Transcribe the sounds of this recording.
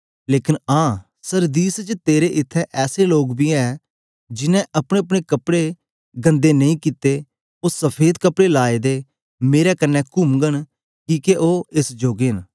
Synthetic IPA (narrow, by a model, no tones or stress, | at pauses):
leːkɪnãː | səɾd̪iːst͡ʃt̪eːɾeʔɪt̪ʰːɛʔɛːseloːɡbiːɛː | d͡ʒɪnɛ̃ʔɐpɽ̃eəp̬ɽ̃ekəpɽe | ɡə̃nd̪eːnəĩːkɪt̪eː | osəpʰeːd̪kəpɽelaːed̪eː | meːɾɛːkənːɛːkʊmɡəɽ̃ | kiːkeʔoːɪsd͡ʒoːɡen